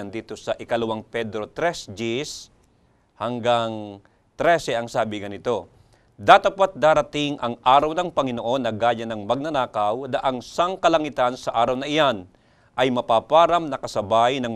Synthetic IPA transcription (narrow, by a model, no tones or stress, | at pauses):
ɐnd̪iːt̪o̞sɐʔɪkɐlʊwaŋpɛd̪ɾo̞t̪ɾɛsd͡ʒis | hɐŋɡaŋ | t̪ɾɛsɛʔɐŋsaːbɪɡɐnɪt̪o̞ | d̪at̪ɐpat̪̚d̪aːɾɐt̪ɪŋʔɐŋʔaːɾɐwnɐŋpɐŋɪnoʔo̞nːɐɡaːjɐnɐŋmɐɡ̚nɐnaːkɐwnɐʔɐŋsaŋkɐlɐŋɪt̪ansɐʔaːɾɐwnɐʔɪjan | ʔɐjmɐpaːpaːɾɐmnɐkɐsɐbajnɐŋ